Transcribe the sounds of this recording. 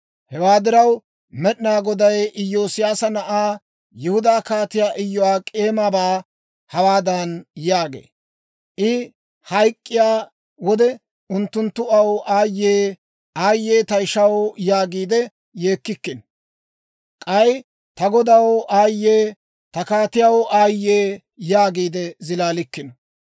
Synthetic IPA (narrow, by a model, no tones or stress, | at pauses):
hɛwaːd̪ɪɾɐw | mɛɗɪnaːɡɔd̪ɐjɪjːo̞ːsɪjaːsɐnɐʔaː | jɪhʊd̪aːkaːt̪ɪjaːʔɪjːɔwaːkʼe̞ːmaːbaː | hɐwaːd̪ɐnjaːɡḛː | ʔɪ | hɐjkʼːɪjaː | wɔd̪ɛ | ʊnt̪ːʊnt̪ːʊɐwʔaːjːeː | aːjːe̞ːt̪ɐɪʃɐwjaːɡiːd̪ɛ | je̞ːkːɪkːɪn | kʼɐj | t̪ɐɡɔd̪ɐwaːjːeː | t̪ɐkaːt̪ɪjɐwʔaːjːeː | jaːɡiːd̪ɛzɪlaːlɪkːɪn